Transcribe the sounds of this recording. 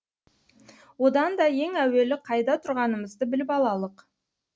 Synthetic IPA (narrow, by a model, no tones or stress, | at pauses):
wo̞d̪ɑnd̪ɑje̞ŋæwe̞lɪqʰɑjd̪ɑt̪ʰʊɾʁɑnəməzd̪əbɪlɪpɑlˠɑlˠəq